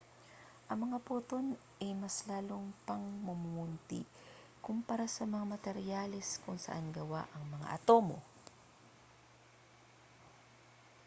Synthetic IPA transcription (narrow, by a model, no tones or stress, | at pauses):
ʔɐŋmɐŋaput̪on | ʔɐjmɐslaːloŋpɐŋmʊmuunt̪ḭ | kʊmpɐɾasɐmɐŋamɐt̪ɛɾjalɛskʊŋsɐ̰ʔanɡɐwa̰ʔɐŋmɐŋa̰ʔɐt̪o̞ːmo̞̰